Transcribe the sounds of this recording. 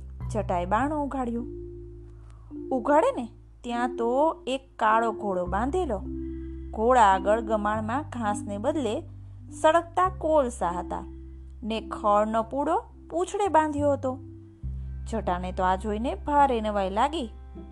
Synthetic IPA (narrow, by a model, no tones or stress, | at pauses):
d͡ʒʱəʈajɓaɳ̃õuɡʱaɽjo | uɡʱaɽene | t̪jãt̪oekːaɭoɡʱoɽobãnd̪ʱelo | ɡʱoɭaːɡəɭɡəmaɳmãɡʱãsnebəd̪le | səɽək̚t̪akolsaɦət̪a̰ | nekʰəɭnopuɽo | pũt͡ʃʰɽebãnd̪ʱjoɦət̪o | d͡ʒʱəʈanet̪oad͡ʒʱoinebʱaɾenəʋajlaɡi